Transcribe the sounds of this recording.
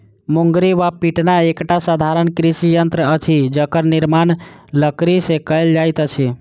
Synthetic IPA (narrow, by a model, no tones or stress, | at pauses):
muŋɡɾiʋapiʈnaekʈasəd̪ʱaɾənkɾisijənt̪ɾəət͡ʃʰid͡ʒəkəɾniɾmanləkɾisẽkəld͡ʒajt̪ət͡ʃʰi